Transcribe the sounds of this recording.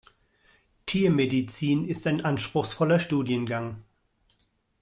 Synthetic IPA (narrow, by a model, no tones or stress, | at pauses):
tʰiːɐmedit͡siːnɪstaɪnʔanʃpʁ̥ʊxsfɔlɐʃtuːdjənɡaŋ